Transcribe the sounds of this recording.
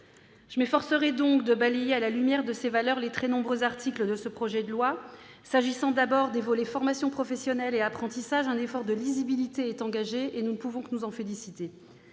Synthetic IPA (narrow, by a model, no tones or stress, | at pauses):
ʒ̥əmefɔʁsəʁɛd̪ɔ̃kd̪əbalejealalymjɛʁd̪əsevalœʁlet̪χɛnɔ̃bʁøzaʁt̪ʰikləd̪əsəpχɔʒɛd̪əlwa | saʒisɑ̃d̪abɔʁd̪evɔlefɔʁmasjɔ̃pχɔfɛsjɔnɛleapχɑ̃t̪isaʒɛ̃nefɔʁd̪əlizibilit̪eɛt̪ɑ̃ɡaʒeenunəpuvɔ̃knuzɑ̃felisit̪e